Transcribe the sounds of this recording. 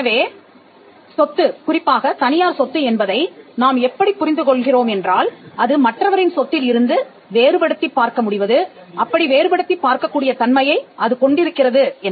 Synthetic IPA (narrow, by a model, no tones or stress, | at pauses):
ɛnɐʋeː | sɔt̪ːɯkʊrɪpːaːɣɐt̪ɐnɪjaːɾsɔt̪ːɯɛnbɐðɐɪnaːmɛpːɐɽipːʊɾɪnd̪ɯkɔɭɣɪroːmɛndraːlɐðɯmɐʈrɐʋɐɾɪnsɔt̪ːɪlɪɾɯnd̪ɯ | ʋeːɾɯpɐɽɯt̪ːipːaːɾkɐmʊɽɪʋɐðɯʔɐpːɐɽiʋeːɾɯpɐɽɯt̪ːipːaːɾkɐkːuːɽɪjɐt̪ɐnmɐjɐɪɐðɯkɔɳɖɪɾɯkːɪrɐðɯɛn